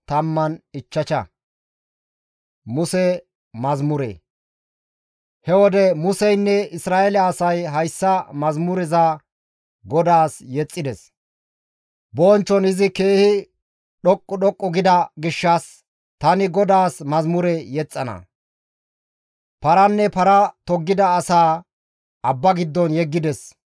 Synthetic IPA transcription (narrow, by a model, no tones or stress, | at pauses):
t̪ɐmːɐnɪt͡ʃːɐt͡ʃɐ̰ | mʊsɛ | mɐzmʊɾɛ̰ | hɛwɔd̪ɛmʊsɛjnːɛɪsɾaːɛlɐːsɐjɦɐjsːɐmɐzmʊɾɪzɐ | ɡɔd̪aːsjɛt͡sʼːɪd̪ɛs | bɔːnt͡ʃːɔnɪzɪkeːhɪ | ɗɔkʼːʊɗɔkʼːɔɡɪd̪ɐɡɪʃːɐs | t̪ɐnɪɡɔd̪aːsmɐzmʊɾɛjɛt͡sʼːɐnɐ̰ | pɐɾɐnːɛpɐɾɐt̪ɔɡːɪd̪ɐːsaː | ɐbːɐɡɪd̪ːɔnjɛɡːɪd̪ɛs